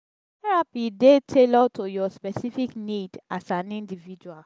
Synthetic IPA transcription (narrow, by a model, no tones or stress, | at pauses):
ɛɹapidetʰelɔtʰojɔspɛsifiknidasãnĩndivid͡ʒual